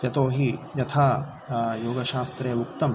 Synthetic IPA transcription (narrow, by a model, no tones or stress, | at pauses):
jɐt̪oːɦijɐt̪ʰaː | joːɡɐʃaːst̪ɾeːukt̪ɐm